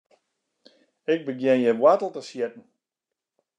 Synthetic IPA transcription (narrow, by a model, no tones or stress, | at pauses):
ɪk̚bəɡjɪnjɛʋwatl̩ˠtəsjɪt̚n̩